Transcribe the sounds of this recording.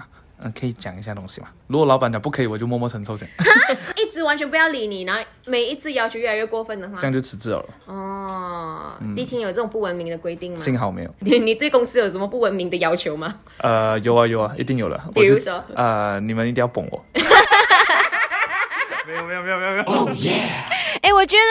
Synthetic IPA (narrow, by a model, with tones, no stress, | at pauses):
ə˧˩kʰə˧˥i˨˩t͡ɕja̰˨˩ŋi˧˥ɕja˥˧˩t̪ʊ˥ŋɕḭ˨ma˨ɻu˧˥kwɔ˨˩lɑ˧˥ʊpa˨˦nt͡ɕjpu˥˩kʰə˧˥i˨˩wɔ˨˩t͡ɕjo˥˧mwɔ˥˧mwɔ˥˧t͡sʰə˧˥ŋt͡sʰʊɕʰɛ˨˩i˥˩t͡sɹ̩˧˥wa˧˦nt͡ɕʰɥɛ˧˥npu˧jɑ˥˩ʊli˧˥ni˨˩na˧˥xo˥˧me˨˩ɪi˧˥t͡sʰɹ̩˥˧jɑ˥ʊt͡ɕʰjo˧ʊɥɛ˥˩lɥɛ˥˩kwɔ˥˧fə˥˩nd̪ə˨˩xwa˥˧ŋt͡ɕjo˥˩ʊt͡s̩ʰ˧˥t͡sɹ̩˥˩jɑ̰˨˩ʊə̰˨˩ɔ˥˩ | t̪i˥˩t͡ɕʰi˧˥njo˨˩t͡sə˥˩˨ŋpu˥˩wə˧˥nmi˧˥ŋd̪ə˨kwe˥ɪt̪i˥˩ŋm˨ɕi˥ŋɦɑ˨˦ʊme˧˥ɪjo̰˨˩˨ni˨˩t̪we˥˩ɪkʊ˥ŋsɹ̩˥jo˨ʊʂə˧˦nmə˧pu˥˩wə˧˥nmi˨˧ŋd̪ə˨jɑ˥ʊt͡ɕʰjo˧˦ʊma˨ | ə˧jo˨˧˥ʊa˧jo˨˦ʊa˩ʔḭ˧˥t̪̬i˥˩ŋjo˨˩lə̰˦wi˨ɻu˧˦swɔ˦˥ə˧ni˨˩mə˦ni˥t̪i˥˩˦jɑ˥˩pʊ̰˨˩ŋwɔ̰˨˩ | me˥ɪjme˧˥jo˨me˦˥jme˦˧o˨me˥˦˥ | e˥˩wɔ˨˩t͡ɕɥɛ˧˥d̪ə˧